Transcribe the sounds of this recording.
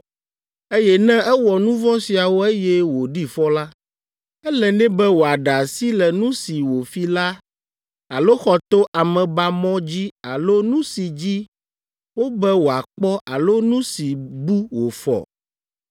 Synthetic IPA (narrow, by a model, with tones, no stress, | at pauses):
e˦jɛ˦nɛ̃˦ɛ˦wɔ˨nũ˦vɔ̃˦si˨a˨wo˦e˦jɛ˦wo˨ɖi˦fɔ˦la˦ | ɛ˦lɛ˨nɛ̃˦bɛ˦wo˨a˨ɖa˨si˦lɛ˨nũ˦si˨wo˨fi˦la˦ | a˨lo˦xɔ˨t̪o˦ʔa˨mɛ̃˨ba˦mɔ̃˦d͡ʑi˦a˨lo˦nũ˦si˨d͡ʑi˦ | wo˦bɛ˦wo˨a˨k͡pɔ˦ʔa˨lo˦nũ˦si˨bu˦wo˨fɔ̰˨